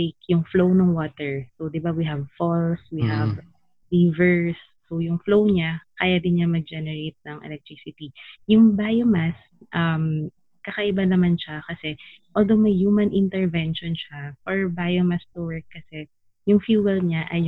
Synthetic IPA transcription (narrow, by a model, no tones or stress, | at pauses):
jkjʊŋflownɐŋwoːt̪ɛɹsowd̪ɪbawiɦɐvfɔlswihɐv | ɾivɛɹsːowjʊŋflowɲakaːjɐd̪ɪnɲamɐɡ̚d͡ʒɛnɛɹejt̪̚nɐŋʔɛ̰lɛk̚t̪ɹisɪt̪ijʊŋbajomas | ʔɐm | kɐkɐʔɪbanɐmanʃakɐsɛʔold̪owmɐjhuːmɐnʔɪnt̪ɛɹvɛnʃɔnʃafɔɹbajomɐst̪ʊwɛɹk̚kːɐsɛ | jʊŋfjuːwɛlɲaʔɐj